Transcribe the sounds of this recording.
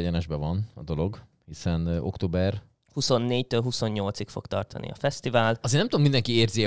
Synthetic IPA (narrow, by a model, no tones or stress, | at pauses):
ɛɟɛnɛʒbɛvɒnɒd̪o̞lo̞ɡ | hisɛno̞kt̪oːbɛr | huso̞nːeːct̪øːlɦuso̞ɲːo̞lt̪sikfo̞̰kt̪ɒ̰rt̪ɒ̰nḭɒ̰fɛst̪ivaːlɒzeːnɛmt̪uomind̪ɛŋkieːrzi